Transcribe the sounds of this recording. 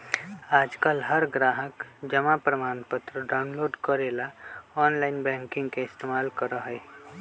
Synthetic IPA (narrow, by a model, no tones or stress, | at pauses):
aːd͡ʒkalɦəɾɡɾaːɦəkd͡ʒəmapɾəmaːnpət̪ɾəɖaʊnloːɖkəɾelaɔːnlaɪnbɛ̃ŋkɪ̃ŋɡkeɪst̪emaːlkəɾəɦəe